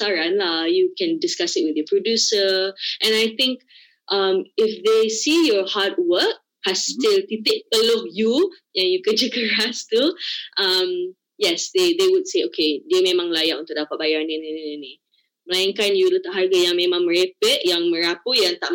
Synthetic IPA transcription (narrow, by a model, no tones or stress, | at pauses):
saɾanlahjukɛ̃ndɪskasɪt̚wɪdəpɹodjusəʔɛ̃najt̪ɪ̃ŋk | ʔamɪfd̪esijɔhat̚wək̚ | hastɪlt̪it̪ɪʔ̚pəlohjujaŋjukəd͡ʒəkəɹast̪uʔam | jɛsd̪ed̪ewud̚seokʰediəmẽmãŋlajaʔunt̪ʊk̚dapat̪̚bajaɾnininininĩ | məlajɪŋkanjulut̪aʔɦarɡajaŋmẽmãŋməɹepəʔjaŋmə̃ɾapəjaŋt̪aʔ